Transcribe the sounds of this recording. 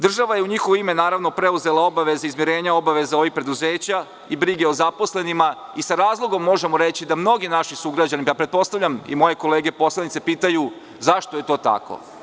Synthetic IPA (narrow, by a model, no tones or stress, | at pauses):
d̪r̩ʒaʋajeuɲixoʋoime̞naːɾaʋno̞pɾe̞uze̞lao̞baʋe̞zaizmjiɾeːɲao̞baʋe̞zao̞ʋix̚pɾe̞d̪uzeːt͡ɕa | ibɾiɡe̞o̞zapo̞sle̞nimaisaɾaːzlˠo̞ɡo̞mːo̞ʒemoɾet͡ɕid̪amno̞ɡinaʃisuɡɾad͡ʑaniapɾet̪̚po̞st̪aʋʎʲamḭmo̞je̞ko̞leːɡepo̞slˠanit̪sepiːt̪aju | zaʃt̪oje̞t̪o̞ːt̪a̰ko̰